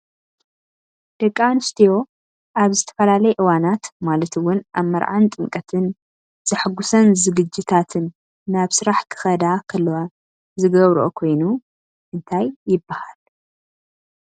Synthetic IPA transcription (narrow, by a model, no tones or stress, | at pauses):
d̪̥ɐkʼːanɨst̪ʰijo̞ | ʔaβzɨt̪ʰɐ̥fɐlalɐjɛʔɨwanat̪malɐt̪ɨwʊnʔaβmɐɾʕant̪ʼɨŋkʼɐt̪ʰɨn | z̥ɨħɨɡusɐnzɨɡɨd͡ʒːɪt̪ʰat̪ʰɨnː | aβsɨɾaħkʰɨ̥xɐd̪akʰɐlːɐwa | zɨɡɐβɾʔo̰kʰo̞jnu | ʔɨnt̪ʰajːɪbːahal